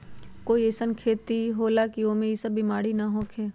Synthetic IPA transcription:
koːiesənkʰeːt̪iɦoːlakioːmẽjɪsəbːimaːɽinaɦoːkʰeː

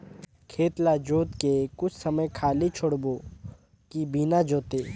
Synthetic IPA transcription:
kʰeːt̪lad͡ʒoːt̪kekʊt͡ʃʰsɐməjkʰaːlit͡ʃʰʊɽboː | kibiːnad͡ʒoːt̪eː

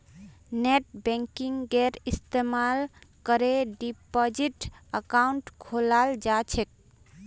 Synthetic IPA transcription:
neʈbɛ̃ŋkiŋɡɡeɾist̪emalkəɾeɖipod͡ʒiʈəkauɳʈkʰolald͡ʒat͡ʃʰek̚

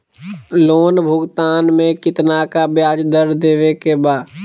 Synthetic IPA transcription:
loːnbʱʊɡt̪aːnmẽkɪt̪nakabjaːd͡ʒd̪əɾd̪eːʋekebaːd̪

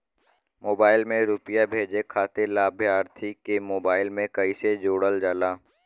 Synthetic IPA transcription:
moːbaːɪlmẽɾuːpɪjabʱeːd͡ʒekʰaːt̪elaːbʱjaːɾt̪ʰikemoːbaːɪlmẽkɐised͡ʒoːɽəld͡ʒaːlaː

